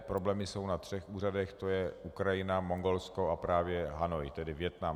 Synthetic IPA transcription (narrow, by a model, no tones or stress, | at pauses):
pɾo̞blɛːmɪso̞wnat̪r̝̥ɛxʔuːradɛxt̪o̞jɛʔukɾajɪnamo̞ŋɡo̞lsko̞apɾaːvjɛɦanojt̪ɛdɪvjɛt̪nam